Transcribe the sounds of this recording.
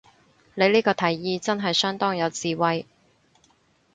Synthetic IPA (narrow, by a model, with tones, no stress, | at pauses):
nle˨˧jliː˥kɔː˧t̪ʰɐ˨˩jːiː˨˧t͡sɐ˥nɦɐ˨jsœː˥ŋt̪ɔː˥ŋjɐ˨˧wt͡siː˨wɐ˨j